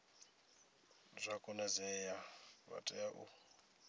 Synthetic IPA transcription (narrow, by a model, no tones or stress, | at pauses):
zʷakʼɔnɛzɛjaβa̰tʼɛjaʔṵ